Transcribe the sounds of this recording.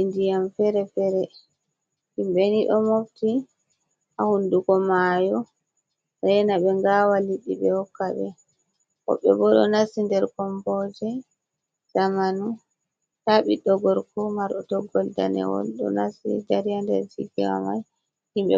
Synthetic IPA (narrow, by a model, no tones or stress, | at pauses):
indijamfɛɾɛfɛɾɛ | himɓɛniɗɔmofti | ahundukɔmajɔ | ɛjɛnaɓɛŋɡawaliɗːiɓɛhɔkːaɓɛ̰ | kɔ̰ɓːɛ̰bɔɗɔ̰nasindɛɾkɔmbɔd͡ʒɛ | z̥amanu | taɓiɗɔɡɔɾkɔmaɾɗɔtɔɡːɔlda̰nɛ̰wɔ̰lɗɔ̰nasḭdaɾijandɛ̰ɾd͡ʒiɡḭwa̰ma̰j | himɓɛ̰